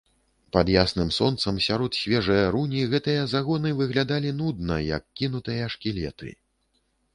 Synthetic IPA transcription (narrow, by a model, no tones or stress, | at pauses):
pɐd̪jasnɨmsɔn̪t̪sɐmsʲaɾɔt̪sʲvʲɛʐɐjɐɾunʲiɣɛt̪ɨjɐzaɣɔnɨvɨɣlʲad̪alʲinud̪̚nɐjɐ̰kʲːinut̪ɨjɐʂkʲilʲɛ̰t̪ɨ̰